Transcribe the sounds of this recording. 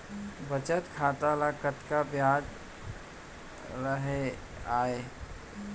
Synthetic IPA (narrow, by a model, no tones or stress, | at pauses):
bət͡ʃət̪kʰat̪alakət̪kabjad͡ʒ | ɾəɦe | ae